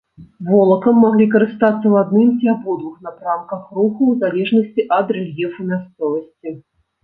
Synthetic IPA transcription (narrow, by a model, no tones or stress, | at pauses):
vɔlˠɐkɐmːaɣlʲikɐɾɨst̪at̪sːɐwad̪nɨmt͡sʲiabɔd̪vuxnapɾamkɐxruxuwzalʲɛʐnɐsʲt͡sʲiʔɐd̪rɛlʲjɛfumʲast̪sɔvɐsʲt͡sʲi